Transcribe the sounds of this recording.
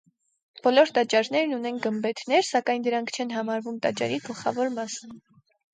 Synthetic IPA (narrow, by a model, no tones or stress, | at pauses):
b̥ɔlɔɾt̪ɑt͡ʃɑɾnɛɾnunɛnɡəmbɛt̪ʰnɛɾsɑkɑjnd̪əɾɑŋkʰt͡ʃʰɛn̪ɦɑmɑɾvumt̪ɑt͡ʃɑ̰ɾiɡəlχɑvɔɾmɑsən